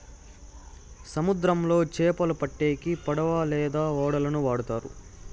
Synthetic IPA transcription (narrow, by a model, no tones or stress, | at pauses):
sɐmud̪ɾɐmlo̞ːt͡ʃɛːpɐlɐpɐʈːeːkipɐɽɐʋaːlɛːd̪aːɔːɽɐlɐnuʋaːɽut̪aːɾṵ